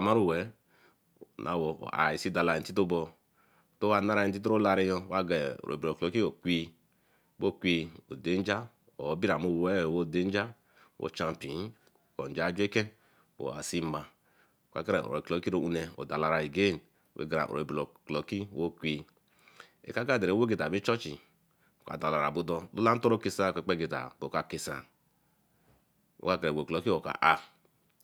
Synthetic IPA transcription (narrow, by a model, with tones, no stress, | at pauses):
a˨ma˦ɾu˦wɛ˨˦ | nʔa˨wo̰˨a̰˨i˨si˦da˨la˨i˨n̩˨ti˦to˦bɔ˧˨ | to˦wa˦na˦ɾa˨i˨n̩˨ti˦t̬ɾo˦la˧ɾi˦jɔ˧˦wa˦ɡɛ˨o̰˨ɾo̰˨bo˨klɔ˨˦ki˦o˨kʷi˧ | wo˦˨kʷi˨˧o̰˨de˨˦n˦d͡ʒa˦ | o˨˦bi˦ɾa˨mo˨wwɛ˦˨wo˦˨de˦n˦d͡ʒa˦ | wo̰˨˦˨t͡ʃa˧m˨pi˨˦n˦˨ | ko˨n˨d͡ʒa˦d͡ʒʷe˦kɛ˦ | wo̰˨a̰˨si˦ma˨ | ka̰˦ke˦ɾḛ˨o̰˨ɾḛ˨klo˨ki˦ɾo˦u˦ne˨o̰˨da˨la˨ɾa˨e˨ɡe˦˨n˨ | wʔḛ˦ɡa˨ɾa̰˨ʔo̰˨e˨bi˨lo˨ko˨ki˦wo˦kʷe˨ | ḛ˨ka˦ka˦˨de˨ɾe˨˦wo˦ɡe˨ta˨bi˦t͡ʃɔ˦t͡ʃḭ˨ | o˨ka̰˨da˨la˨ɾa̰˨bu˦dɔ˦lu˦la˦n̩˦tɔ˦ɾo˦ke˨sa˦˨e˨k͡pe˦ɡe˨ta̰˨bo˨ka˨ke˨sa̰˨ | wo̰˦ka˦ke˨ɾe˨o˨klo˨ki˦o˨ka̰˨ʔa˦